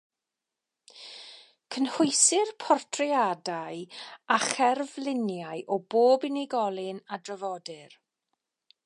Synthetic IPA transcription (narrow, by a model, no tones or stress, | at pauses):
kʰənhʊjsɪrpʰɔrtʰrɪadajaχɛrvlˠɪnjaɨʔɔboːbɪnɪɡɔlˠɪnadrəvɔdɨr